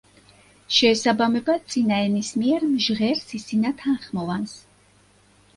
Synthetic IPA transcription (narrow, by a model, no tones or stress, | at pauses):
ʃɛːsabamɛbat̪sʼinaɛnismiɛɾmʒʁɛɾsisinat̪ʰanχmɔvans